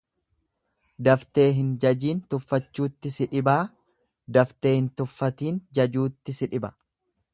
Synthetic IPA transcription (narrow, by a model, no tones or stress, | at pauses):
d̪ɐft̪e̞ːɦɪnd͡ʒɐd͡ʒiːnt̪ʊfːɐt͡ʃːuːt̪ːɪsɪᶑɪbaː | d̪ɐft̪e̞ːhɪnt̪ʊfːɐt̪iːnd͡ʒɐd͡ʒuːt̪ːɪsɪᶑɪbɐ̥